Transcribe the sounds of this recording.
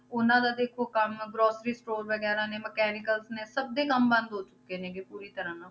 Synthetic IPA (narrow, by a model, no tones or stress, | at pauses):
ʊnãːd̪aːd̪eːkʰoːkəmɡɾoːsɾiːsʈoːɾʋəɡɛːɾãːnẽːməkɛːnɪkəlsnẽːsəb̚d̪eːkəmbə̃nd̪ɦoːt͡ʃʊkeːneːɡepuːɾiːt̪əɾãːnã